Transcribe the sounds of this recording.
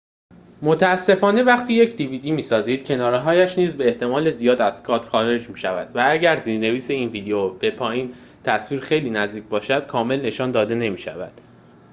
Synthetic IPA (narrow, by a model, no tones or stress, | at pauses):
mo̞t̪ʰææsːe̞fɒːne̞væχt̪ʰiːjecʰd̪iviːd̪imiːsɒːziːd̪̥cʰe̞nɒːɾeɦɒːjæʃniːzbe̞eːht̪e̞mɒːle̞zijɒːd̪æz̥kʰɒːt̪xɒːɾe̞d͡ʒmiːʃævæd̪vææɟæɾziːɾne̞viːse̞iːnviːd̪eob̥e̞pʰɒːjiːn | t̪ʰæsviːɾxe̞jliːnæzd̪iːc̚ʰbɒːʃæd̪̥kʰɒːme̞lne̞ʃɒːnd̪ɒːd̪e̞ne̞miːʃæ̰væ̰d̪̥